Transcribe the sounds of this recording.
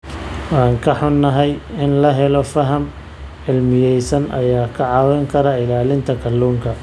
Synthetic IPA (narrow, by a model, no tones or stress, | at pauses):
ɑːŋkʰɐħʊnːɐɦɛjɪnlɐɦɛlɔfɐɦɐm | ʕɪlmɪjɛjsɐnʔɐ̰jaːkʰɐʕɑːwɛŋkʰɐɾɐɪlaːlɪnt̪ʰɐkʰɐlːuːŋkʰɐ